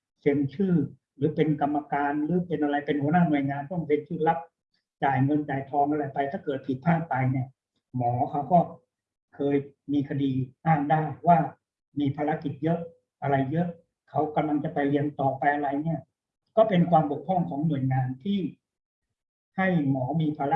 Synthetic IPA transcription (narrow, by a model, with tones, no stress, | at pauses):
se˧nt͡ɕʰɯː˥˩ | ɾɯː˩˦pe˧nka˧mːa˧kaː˧nɾɯː˩˦pe˧nʔa˧ɾa˧jpe˧nhu˩˦naː˥˩˨nu˨˩əjŋaː˧nt̪ɔ˥˩ŋse˧nt͡ɕʰɯː˥˩la˦˥p̚ | t͡ɕaː˨˩jŋɤ˧nt͡ɕaː˨˩jt̪ʰɔː˧ŋʔa˧ɾa˧jpa˧jt̪ʰaː˥˩kɤː˨˩t̪̚pʰi˨˩t̪̚pʰaː˥˩t̪̚pa˧jni˦˥˩ɐ | mɔː˩˦kʰa˦˥wkɔː˥˩ | kʰɤː˧jmiː˧kʰa˧diː˧ʔaː˥˩ŋdaː˥˩jwaː˥˩ | miː˧pʰaː˧ɾa˦˥ki˨˩t̪̚jɤ˦˥ʔ | ʔa˧ɾa˧jːɤ˦˥ʔ | kʰa˦˥wka˧mla˧ŋt͡ɕa˨˩pa˧jli˧ənt̪ɔː˨˩pa˧jʔa˧ɾa˧jni˥˩ɐ | kɔː˥˩pe˧nkʰwaː˧mbo˨˩k̚ʰɔ˥˩ŋkʰɔː˩˦ŋnu˨˩əjŋaː˧nt̪ʰiː˥˩ | ha˥˩jmɔː˩˦miː˧pʰaː˧ɾa˦˥